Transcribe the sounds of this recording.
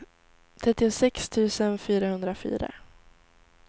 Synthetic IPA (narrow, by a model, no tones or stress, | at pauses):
t̪ʰɾɛt̪ːɪʊsɛkst̪ʰʉ̟ːsənfyːɾahɵnd̪ɾafy̰ːɾa̰